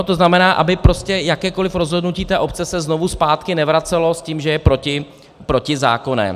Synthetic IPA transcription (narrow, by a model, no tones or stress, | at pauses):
t̪o̞znamɛnaːʔa̰bɪpɾo̞scɛjakɛːko̞lɪfɾo̞zɦo̞dnuciːt̪ɛːʔo̞pt͡sɛsɛznovuspaːt̪kɪnɛvɾat͡sɛlo̞sciːmʒɛjɛpɾo̞cɪ | pɾo̞cɪza̰ːko̞nɛ̰